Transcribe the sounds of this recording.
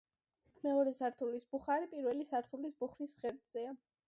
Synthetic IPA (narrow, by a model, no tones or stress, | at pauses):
mɛɔɾɛsaɾt̪ʰulisb̥uχaɾipʼiɾwɛlisaɾt̪ʰulisbuχɾisʁɛɾd̪z̥ɛa